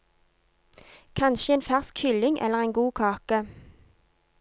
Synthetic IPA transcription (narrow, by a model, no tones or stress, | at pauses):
kʰɑnʃəeːnfæʁskhʏlɪŋʔɛ̰ləʁeːnɡuːkʰɑːkə